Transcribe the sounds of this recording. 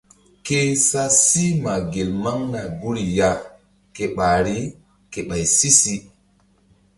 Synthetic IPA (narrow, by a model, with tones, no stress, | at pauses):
ke˦sa˦si˦ma˨ɡe˨lma˦ŋna˨ɡu˦ɾi˨ja˦ | ke˨ɓa˨ɾi˦ | ke˨ɓa˨jsi˦si˦